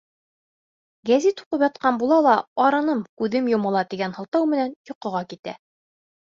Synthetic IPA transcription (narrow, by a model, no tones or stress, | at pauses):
ɡæzit̪uqɤpjɑt̪̚qɑnbulˠɑlˠɑɑɾɤ̆nɤmkʉðɘmjŏmɤ̆lˠɑt̪iɡænhɤ̆lˠt̪ɤwmɘ̆nænjŏqɤ̆ʁɑkit̪æ̰